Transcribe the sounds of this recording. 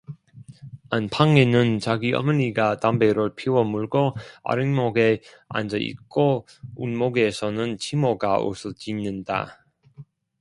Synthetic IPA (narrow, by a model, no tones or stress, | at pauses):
anpʰaŋenɯnt͡ɕaɡiʌ̰mɯniɡatambeɾɯɭpʰiwʌmuɭɡoa̰ɾɯŋmoɡe̞ | a̰nd͡ʑʌʔḭk͈o | unmoɡe̞sʰʌnɯnt͡ɕʰimoɡao̰sʰɯt͡ɕinːɯnda̰